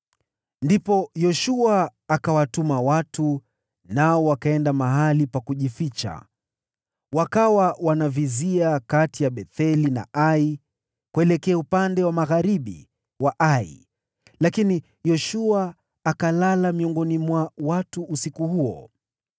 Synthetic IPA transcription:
ndipɔjɔʃuaːkawatumawatu | naɔwakaɛndamaɦalipakuʄifit͡ʃa̰ | wakawawanaviziakatijaɓɛθɛlina̰ʔai | kuɛlɛkɛaupandɛwamaɣaɾiɓḭ | waʔaḭ | lakini | jɔʃuaː | kalalamiɔŋɡɔnimwawatuʔːsikuhuɔ

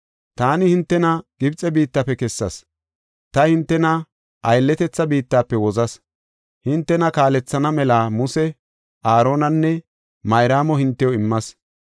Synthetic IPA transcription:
t̪aːnɪhɪnt̪ːɛnɐɡ̥ɪbt͡sʼɛbiːt̪ːapːɛkɛsːɐs | t̪ɐhɪnt̪ːɛnɐ | ʔɐjlːɛt̪ɛt͡sːɐbiːt̪ːaːpːɛwɔzɐs | hɪnt̪ːɛnɐkaːlɛt͡sːɐnɐmɛlaːmʊsɛ | aːɾo̞ːnɐnːɛ | mɐjɾaːmɔhɪnt̪ːɛjɔɪmːɐs

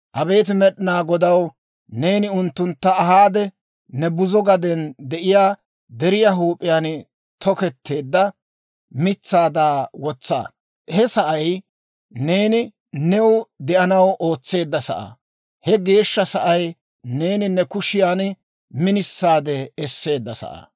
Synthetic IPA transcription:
ʔɐbe̞ːt̪̬ɪmɛɗɪnaːɡɔd̪ɐw | ne̞ːnɪʊnt̪ːʊnt̪ːɐɐɦaːd̪ɛ | nɛbʊzɔɡɐd̪ɛnd̪ɛʔɪjaː | d̪ɛɾɪjaɦuːpʼːɪjaːn | t̪ʰɔkɛt̪ʰːe̞ːd̪ːɐ | mɪt͡sːaːd̪aːwɔt͡sːa̰ː | hɛsɐʔɐj | ne̞ːnɪ | nɛwd̪ɛʔɐnɐwʔo̞ːt͡sːe̞ːd̪ːɐsɐ̰ʔɐ̰ | hɛɡe̞ːʃːɐsɐʔɐj | ne̞ːnɪnɛkʊʃɪjaːn | mɪnɪsːaːd̪ɛɛsːe̞ːd̪ːɐsɐ̰ʔɐ̰

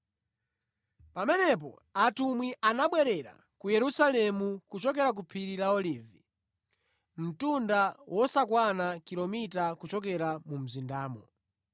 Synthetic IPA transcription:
pamɛnɛp̬ɔ̰ | atumwiʔanaɓwɛɾɛɾa̰ | kujɛɾusalɛmukut͡ʃɔkɛɾak̬upʰiɾilaɔlivi | m̩tundawʔɔsakwanakilɔmitakut͡ʃɔkɛɾamum̩zindaːmɔ

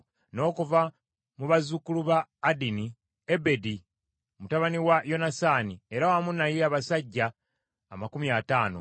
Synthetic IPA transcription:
no̞ːkuva | muβazukːuluβaːdini | ebe̞di | mutaβaniwajo̞nasaːnie̞ɾawamunajeaβasaɟːaː | makumiataːno̰

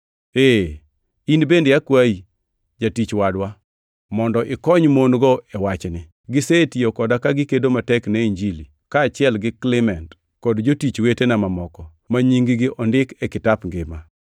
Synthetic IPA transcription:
e | inbendjakwai | d͡ʒatit͡ʃwadwa | mɔndɔʔɪkɔɲmonɡɔɛwat͡ʃnɪ | ɡɪsetiokɔdakaɡɪkedomatɛkneiɲd͡ʒili | kaːt͡ʃɪɛlɡɪklɪmɛnt | kɔdd͡ʒotit͡ʃwetenamamɔkɔ | maɲiŋɡɪɡɪʔɔndɪkɛkɪtapŋɡɪma

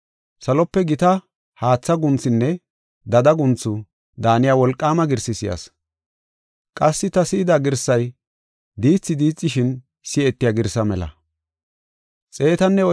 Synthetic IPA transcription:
sɐlɔpːɛɡɪt̪ɐ | haːt͡sːɐɡʊnt͡sɪnːɛ | d̪ɐd̪ɐɡʊnt͡sːʊ | d̪aːnɪjaːwɔlkʼːaːmɐɡɪɾsɪsɪjɐ̰s | kʼɐsːɪt̪ɐsɪːd̪aɡɪɾsɐj | d̪iːt͡sːɪd̪iːt͡sʼːɪʃɪn | sɪɛt̪ːɪjaːɡɪɾsɐmɛlɐ̰ | t͡sʼe̞ːt̪ɐnːɛɔ

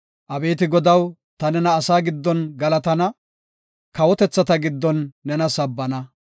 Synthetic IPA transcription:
ʔɐbe̞ːt̪ɪɡɔd̪ɐw | t̪ɐnɛnɐːsaːɡɪd̪ːɔnɡɐlɐt̪ɐnɐ | kɐwɔt̪ɛt͡sːɐt̪ɐɡɪd̪ːɔnːɛnɐsɐbːɐnɐ

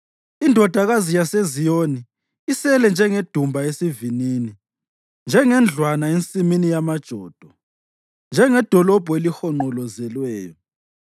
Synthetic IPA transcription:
indʱɔd̥ʱaɣazijasezijoniː | sɛlɛnd͡ʒʱɛŋed̥ʱumbʱaesivinini | nd͡ʒʱɛŋɛnd͡ɮʱwanaent͡sʼiminijamad̥ʒ̥ʱɔːd̥ʱɔ | nd͡ʒʱɛŋɛd̥ʱɔlɔb̥ʱɔelixɔŋ͡ǃɔlɔzɛlwɛːjɔ

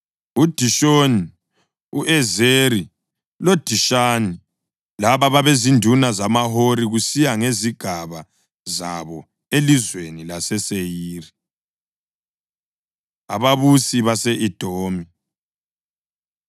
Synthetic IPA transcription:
ud̥ʱiʃoni | uʔɛzeɾi | lod̥ʱiʃani | laβaβaβezindʱunazamaɦoɾiɣusijaŋeziɡ̥ʱaβa | za̰βɔ | elizwenilasɛsejiːri | a̰βaβusiβaseʔid̥ʱoːmi

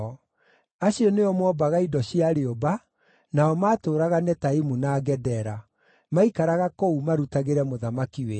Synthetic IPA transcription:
ɔ | aɕiɔneɔmwɔbaɣaidɔɕiaɾeoba | naɔmaːtoːɾaɣanɛtaimunaɡɛdɛɾa | maikaɾaɣakoumaɾutaɣeɾɛmoðamakiwe

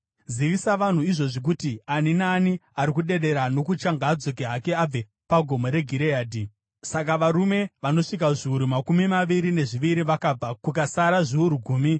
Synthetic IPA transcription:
ziʋisaʋan̤uiʐo̞ʐik̬utianinaːniaɾikuɗe̞ɗe̞ɾano̞kut͡ʃaŋɡaːd͡zo̞k̬eɦake̞ab͡ve | paɡʱo̞mo̞ɾe̞ɡʱiɾeaːdʱi | sak̬aʋaɾume̞ʋano̞ʂik̬aʐiuɾumakumimaʋiɾine̞ʐiʋiɾiʋakab͡vakukasaɾaʐiuɾuɡʱuːmi

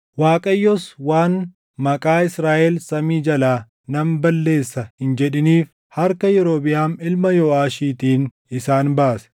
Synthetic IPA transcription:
waːkʼɐjːɔswaːn | mɐkʼaːɪsɾaːʔɛlsɐmiːd͡ʒɐlaː | nɐmbɐlːe̞ːsːɐhɪnd͡ʒɛᶑɪniːf | hɐɾkɐjɛɾoːbɪjaːmɪlmɐjɔaːʃiːt̪iːn | ɪsaːnbaːsɛ̥

